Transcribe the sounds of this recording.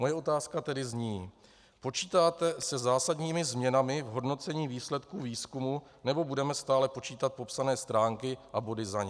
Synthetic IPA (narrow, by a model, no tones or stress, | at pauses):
mo̞jɛʔo̞t̪aːskat̪ɛdɪzɲiː | po̞t͡ʃiːt̪aːt̪ɛsɛzaːsadɲiːmɪzmɲɛnamɪvɦo̞dno̞t͡sɛɲiːviːslɛt̪kuːviːskumu | nɛbo̞budɛmɛst̪aːlɛpo̞t͡ʃiːt̪at̪̚po̞psanɛːst̪ɾaːŋkɪʔabo̞dɪzaɲɛ